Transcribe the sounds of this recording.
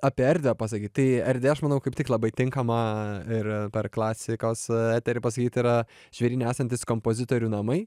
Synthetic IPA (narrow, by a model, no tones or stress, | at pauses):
ɑːpʲiɛɛɾʲd̪ʲɛpɑs̬ɐkʲiːt̪t̪ɐɪɛɾʲd̪ʲʋʲeːɐʃmɐnɐʊkɐɪpt̪ʲɪklˠɐbɐɪt̪ʲɪŋkɐmɐɪɾpʲɛrklˠɑːsʲɪkoːsæːt̪ʲɛɾʲɪpɐs̬ɐkʲiːt̪ɪɾɐ | ʒ̥ʲʋʲɛɾʲiːnʲɛæːsɐnʲt̪ʲɪskompoːzʲɪt̪oːɾʲuːnɐmɐɪ